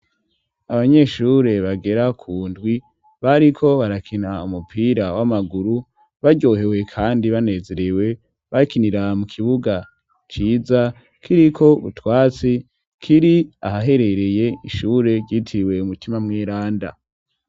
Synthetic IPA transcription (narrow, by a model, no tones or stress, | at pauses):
aβaɲe̞ʃuːɾe̞βaɡe̞ɾakʰuːndɡwi | βaɾikʰo̞βaɾakʰinaumupʰiːɾawamaɡuɾu | βaɟo̞ːɦe̞we̞kʰaːndiβane̞ze̞ɾewe̞ | βakiniɾamukʰiβuɡa | t͡ʃiːza | kʰiɾikʰo̞βṵtwaːt͡si | kʰiɾia̰ɦaɦe̞ɾe̞ɾe̞je̞iʃuːɾe̞ɟɟitʰiwe̞umutimamŋeːɾaːnda̰